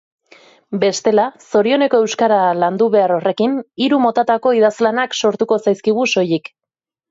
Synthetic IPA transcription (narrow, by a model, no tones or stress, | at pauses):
be̞st̪e̞laso̞ɾio̞ne̞ko̞e̞wskaɾaland̪uβe̞aɾo̞re̞kiniɾumo̞t̪at̪ako̞iðazlanakso̞ɾt̪uko̞sajskiɣ̞uso̞jik